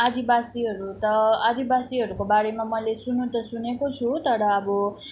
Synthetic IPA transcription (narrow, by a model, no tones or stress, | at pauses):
ad̪ibasiɦʌɾut̪ʌad̪ibasiɦʌɾukobaɾemamʌlesunũt̪ʌsunekot͡sʰut̪ʌɾʌːbʌ